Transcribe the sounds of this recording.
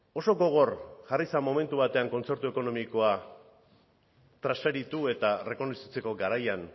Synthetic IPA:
o̞so̞ɡo̞ɣ̞o̞rʝarisamo̞me̞nt̪uβat̪e̞aŋko̞nt͡se̞ɾt̪ue̞ko̞no̞miko̞a | t̪ɾaseɾit̪ue̞t̪are̞ko̞nesit͡se̞ko̞ɡaɾajan

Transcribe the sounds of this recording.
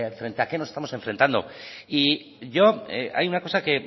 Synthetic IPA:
fɾe̞nt̪e̞akenosest̪amo̞se̞ɱfɾe̞nt̪and̪o̞̰i | ʝo̞ḛa̰junako̞sake̞

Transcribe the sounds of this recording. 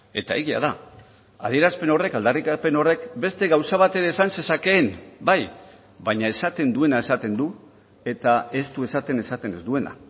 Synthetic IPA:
e̞t̪aeɣia̰ð̞a | aðie̞ɾaspe̞no̞re̞kald̪arikape̞no̞re̞kbe̞st̪e̞ɣawsaβ̞at̪e̞ɾeːsanse̞sake̞ːmbaj | βaɲae̞sat̪e̞nd̪ue̞naesat̪e̞nd̪u | e̞t̪ae̞st̪ue̞sat̪e̞ne̞sat̪e̞ne̞zd̪ue̞na̰

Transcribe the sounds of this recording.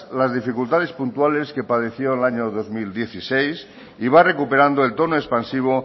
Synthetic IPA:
lazðifikult̪aðe̞spunt̪uale̞ske̞pað̞e̞θjonlaɲoðo̞zmild̪je̞θisejs | iβ̞are̞kupe̞ɾand̪oelt̪o̞noespansiβ̞o

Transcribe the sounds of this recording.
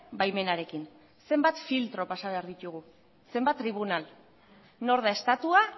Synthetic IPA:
bajme̞naɾe̞kin | se̞mbat̪filt̪ɾo̞pasaβe̞aɾðit̪uɣ̞u | se̞mbat̪ːɾiβ̞unal | no̞ɾð̞ae̞st̪at̪ua

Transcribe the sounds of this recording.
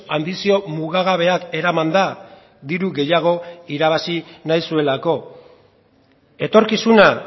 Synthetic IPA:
and̪isio̞muɣaɣaβ̞e̞ake̞ɾamand̪a | d̪iɾuɣe̞jaɣ̞o̞iɾaβ̞asinajsue̞lako̞ | e̞t̪o̞ɾkisuna

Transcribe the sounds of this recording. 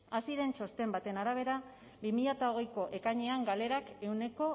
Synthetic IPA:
asiɾe̞nt͡ʃo̞st̪e̞mbat̪e̞naɾaβ̞e̞ɾa | bimiʎat̪aoɣ̞e̞jko̞ʔe̞kaɲe̞aŋɡale̞ɾake̞wne̞ko̞

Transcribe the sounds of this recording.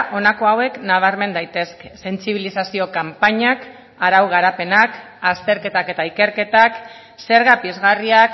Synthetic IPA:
ʔo̞nako̞awe̞knaβ̞aɾme̞nd̪ajt̪e̞ske̥se̞nt͡siβ̞ilisasio̞kampaɲak | aɾawɣaɾape̞nak | ast̪e̞ɾke̞t̪ake̞t̪aike̞ɾke̞t̪ak | se̞ɾɣapiezɣariak

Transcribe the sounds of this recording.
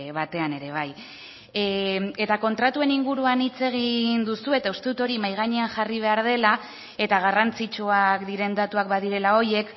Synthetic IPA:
βat̪e̞ane̞ɾe̞β̞aj | e̞t̪ako̞nt̪ɾat̪ue̞niŋɡuɾuanit͡se̞ɣ̞ind̪usue̞t̪aust̪e̞ðut̪o̞ɾimajɣ̞aɲe̞anxariβ̞e̞aɾð̞e̞la | e̞t̪aɣ̞arant͡sit͡ʃuakd̪iɾe̞nd̪at̪uakbaðiɾe̞lao̞je̞k

